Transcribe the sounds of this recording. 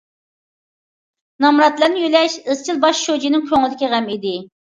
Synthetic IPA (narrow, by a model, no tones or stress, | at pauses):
nɑmɾɑt̪lˠænɪjylɛʃəzt͡ʃʰilˠbɑʃʃod͡ʒinɪŋkʲʰøŋlɪd̪ɪkʲiʁɛmid̪ɪ